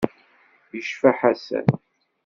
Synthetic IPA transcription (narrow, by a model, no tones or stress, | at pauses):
jəʃfaħæsæ̰n